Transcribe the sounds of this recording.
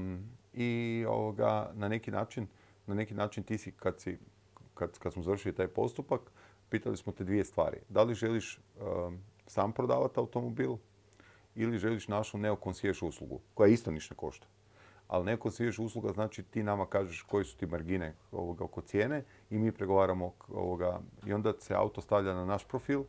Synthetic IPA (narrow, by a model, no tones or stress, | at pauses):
io̞̰ʋoɡa̰nanekina̰ːt͡ʃin | nanekinaːt͡ʃint̪iːsikad̪si | kad̪kad̪smozaʋɾr̩ʃilit̪aːjpo̞̰st̪upak | piːt̪alismot̪ed̪ʋije̞st̪ʋa̰ːɾḭd̪aliʒe̞liʃ | saːmpɾod̪aːʋat̪awt̪o̞mobiːlˠ | iliʒe̞liʃnaʃuneokonsʋieʃuːslˠṵɡṵkojaist̪oniʃneko̞̰ʃt̪ḁ | a̰lneokonsʋieʃuːslˠuɡaznaːt͡ʃit̪iːnamakaːʒeʃko̞jesu̥t̪imaɾɡineo̞̰ʋoɡao̞ko̞t̪sje̞ːne̞ | imiːpɾeɡo̞ʋaːɾamoo̰ʋoɡaḭo̞nd̪ḁsea̰ut̪ost̪aʋʎananaʃpɾofiːlˠ